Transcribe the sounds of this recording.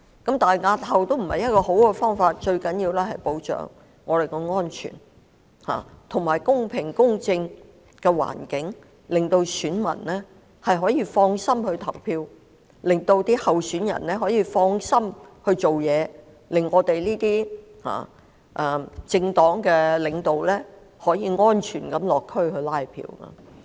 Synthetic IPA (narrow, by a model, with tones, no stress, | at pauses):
kɐ˨˥mt̪aː˨ŋaː˧t̚hɐ˨wt̪o˥wm̩˨˩hɐ˨jɐ˥t̚kɔː˧ɦo˨˥wkɛː˧fɔː˥ŋfaː˧t̚t͡ʃɵ˧ɥkɐ˨˥njiː˧wlɛː˥ɦɐ˨jpo˨˥wt͡ʃœ̰ː˨˩ŋː | ɔː˨˧ɾe˨jkɔ˧ŋɔː˥nt͡ʃʰy̰ː˨˩n | ha̰ː˨t̪ʰʊ˨˩ŋmaː˨˩jkʊ˥ŋpʰɪ˨˩ŋkʊ˥ŋt͡sɪ˧ŋ | kɛː˧wa̰ː˨˩nkɪ˨˥ŋ | lɪ˨ŋt̪o˧wsyː˨˥nmɐ̰˨˩nlɛː˥ | hɐ˨jɦɔː˨˥jiː˧fɔː˧ŋsɐ˥mhɵ˧ɥt̪ʰɐ˨˩wpʰiː˧w | lɪ˨˩ŋt̪o˧wt̪iː˥hɐ˨wsyː˨˥njɐ̰˨˩nlɛː˥ɦɔː˨˥jiː˨˧fɔː˧ŋsɐ˥mhɵ˧ɥt͡so˨wjɛː˨˧ | lɪ˨˩ŋːɔː˨˧t̪e˨jliː˥t̪iː˥ | ha̰ː˨ | ʔɛ˨t͡sɪ˧ŋt̪ɔː˨˥ŋkɛː˧lɪ˨˧ŋt̪o˨wlɛː˥ | hɔː˨˥jiː˧ŋɔː˥nt͡ʃʰyː˨˩nkɐ˨˥mlɔː˨kʰːɵ˥ɥhɵ˧laː˥jpʰḭː˧wkɐ̰˧